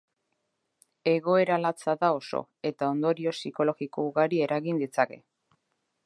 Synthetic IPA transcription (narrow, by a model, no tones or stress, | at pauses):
e̞ɣo̞e̞ɾalat͡saðao̞so̰ | e̞t̪ao̞nd̪o̞ɾio̞siko̞lo̞ɣikouɣaɾie̞ɾaɣind̪it͡sake̞̰